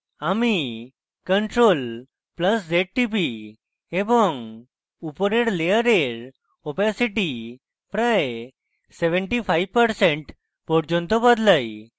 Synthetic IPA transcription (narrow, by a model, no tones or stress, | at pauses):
ami | kəɳʈɾol | pləsd͡ʑeʈ̚ʈip̬i | ebɔŋɡ | upɾeɽlejəɾeɾ | ɔpasiʈi | pɾaj | seʋə̃ɳʈifajʋpəɾsẽɳʈ | pɔɽd͡ʑɔnt̪ɔbəd̪ləj